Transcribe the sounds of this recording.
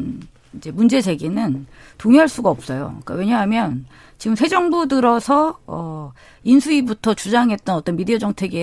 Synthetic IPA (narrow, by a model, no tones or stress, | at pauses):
id͡ʑe̞mund͡ʑe̞d͡ʑe̞ɡinɯntoŋiɦaɭs͈uɡaʌp̚s͈ʌjo̰k͈a̰we̞ɲaɦamjʌn | t͡ɕiɡɯmsʰe̞d͡ʑʌŋbudɯɾʌsʰʌʌ | insʰuibutʰʌt͡ɕud͡ʑaŋɦe̞t̚t͈ʌnʌt͈ʌnmidiʌd͡ʑʌŋtʰe̞ɡe